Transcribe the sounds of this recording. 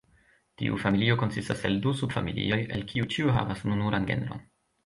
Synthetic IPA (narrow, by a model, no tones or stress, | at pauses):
tḭʔṵfamilio̞ko̞nsistaseldusubfamilḭo̞je̞̰lkʰiut͡ʃiuɦa̰vasnunuɾʔanɡe̞̰nɾo̞̰n